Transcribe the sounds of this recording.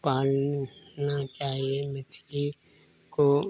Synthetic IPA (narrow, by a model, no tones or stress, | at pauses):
paːlnat͡ʃaːɦiemɪsʰi | ko